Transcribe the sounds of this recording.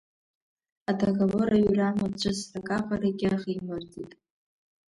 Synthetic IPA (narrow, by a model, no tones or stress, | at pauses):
adʰaɡaloɾaɥramat͡ɕʷʰʼɨsakʼaqʼaɾaɡʲɪaχijmartʼitʼ